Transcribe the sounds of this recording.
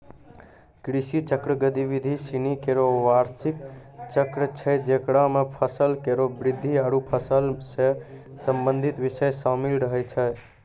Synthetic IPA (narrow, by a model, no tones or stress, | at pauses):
kɾisit͡ʃəkɾəɡəd̪iʋid̪ʱisinikeɾoʋaɾsikt͡ʃəkɾət͡ʃʰɛd͡ʒekɽamepʰəsəlkeɾobɾid̪ʱːiaɾupʰəsəlsẽ | səmbənd̪ʱit̪ʋisəjsamilɾəɦɛjt͡ʃʰɛ